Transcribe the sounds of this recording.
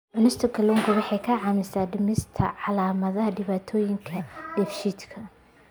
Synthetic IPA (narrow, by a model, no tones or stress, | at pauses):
ʔʊnɪst̪ʰɔkʰɐlɔŋɡʰɐwɑħɑjkʰɐʕɑmɪsaːdɪmɪst̪ʰɐ̰ʕɑlaːmɐðɐɦɐɖɪβaːt̪ʰɔːjɪŋkʰɐɖɛfʃid̪kʰɐ